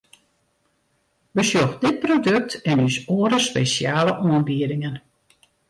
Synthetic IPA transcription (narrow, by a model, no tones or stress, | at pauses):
bəsjoxdɪt̚prodɵk̚tʰɛnysoəɾəspesjaːləʔoənbiədɪŋən